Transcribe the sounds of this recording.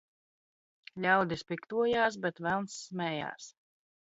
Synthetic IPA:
lʲawd̪ispikt̪uɔjaːs̬bʲɛt̪vælˠnsːmʲɛːja̰ːs

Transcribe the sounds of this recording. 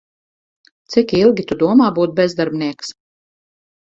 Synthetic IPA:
t̪sikilˠɡʲit̪ud̪uɔmaːbuːt̪̚bʲɛzd̪aɾbnʲiɛks

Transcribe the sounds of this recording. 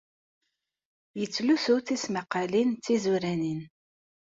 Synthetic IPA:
jət͡sːlusʊɾθisməqːɑlint͡sːizuɾænin

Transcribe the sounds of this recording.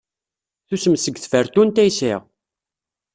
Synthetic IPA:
θusəmsəɡθfəɾt̪unt̪æjsɪ̰ʁ

